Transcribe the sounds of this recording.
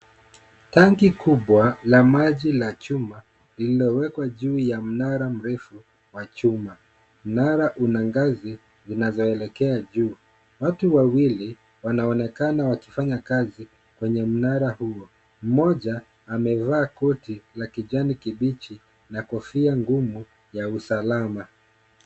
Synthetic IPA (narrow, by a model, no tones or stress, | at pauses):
taŋɡikuɓwalamaʄilat͡ʃuma | lililɔwɛkwaʄuːjam̩naɾam̩ɾɛfu | wat͡ʃuma | m̩naɾaʔunaŋɡazi | zinazɔɛlɛkɛaʄuː | watuwawili | wanaɔnɛkanawaki̥faɲakazi | kwɛɲɛm̩naɾahuɔ | m̩mɔʄaː | mɛvaːkɔtilakiʄanikiɓit͡ʃi | nakɔfiaŋɡumu | jausalama